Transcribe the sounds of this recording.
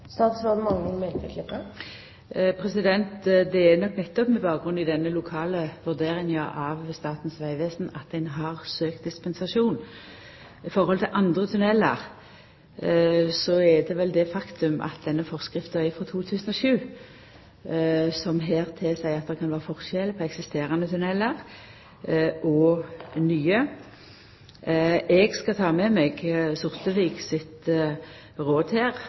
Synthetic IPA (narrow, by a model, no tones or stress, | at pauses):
st̪ɑːt̪sʋɔmɑŋnɪŋmɛnt̪əkʰlɪpːə | pʰʁɛsɪd̪ɛnt̪d̪ɛːnɔkːnɛt̪ːɔpmɛbɑːkɡɾʉnːɪd̪ɛnːəlʊkʰɑːləʋʉʁd̪eːʁɪŋəʔɑʋst̪ɑːt̪n̩sʋæɪʋeːsnɑt̪̚d̪ɛnɦɑʁsøːk̚t̪̚d̪ɪspɛnsɑʂuːn | ɪfɔʁhɔlt̪ʰɪlʔɑnd̪ʁət̪ʰʉnɛlːə̰ʁ | sɔɛd̪ɛʋɛld̪ɛfɑkt̪ʉmʔɑ̰t̪̚d̪ɛnːəfɔʁskʁɪft̪œʏfʁɔt̪ʰuːt̪ʰʉːsənɔʃʉː | sɔmɦeːʁt̪ʰesæɪɑt̪̚d̪ɛkʰɑnʋæːʁəfɔʁʃɛlpʰɔɛksɪst̪eːɾənət̪ʰʉnɛləʁ | ʔɔnyːə | ʔɛɡskɑt̪ʰɑːmɛmɛɡsʊʁt̪əʋiːɡsɪt̪ | ʁoːd̪heːʁ